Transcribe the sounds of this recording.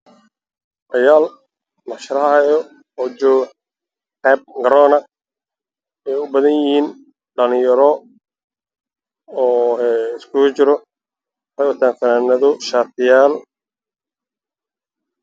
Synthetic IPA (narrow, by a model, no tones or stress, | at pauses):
ʔɐjaːl | nɑʃɾɐhhjɔ | ɔːd͡ʒɔː | ħɛb̚ɡɐɾɔːnɐ | ɛːjʊbɐðɐnjɪhiːn | ɖɐnɪjɐɾɔ | ɔːɛɪskʰʊt͡ʃɪɾɔ | ħɛjwɐt̪ʰaːnfɐnaːnɐðʊʃaːt̪ʰɪjaːl